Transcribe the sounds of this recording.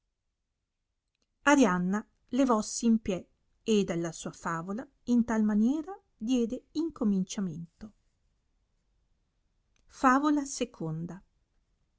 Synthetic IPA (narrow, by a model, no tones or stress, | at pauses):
aɾjanːa | levɔsːeimpjɛ | ed̪alːasuːafaːvola | int̪almanjɛːɾa | d̪jɛːd̪eiŋkomint͡ʃament̪o | faːvolasekʰond̪a